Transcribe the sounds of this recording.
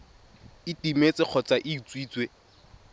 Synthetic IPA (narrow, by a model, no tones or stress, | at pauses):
ɪtimet͡sʼɪq͡χʰɔt͡sʼaʔɪːt͡sʼwiːt͡sʼwe